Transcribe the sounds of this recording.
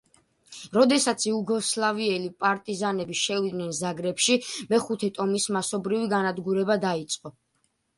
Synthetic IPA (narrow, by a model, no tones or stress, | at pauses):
ɾɔd̪ɛsat̪sʰiuɡɔslˠaviɛlipʼaɾt̪ʼizanɛbiʃɛvid̪nɛnzaɡɾɛpʃimɛχut̪ʰɛt̪ʼɔmismasɔbɾiviɡanad̪ɡuɾɛbad̪ait̪sʼqʼɔ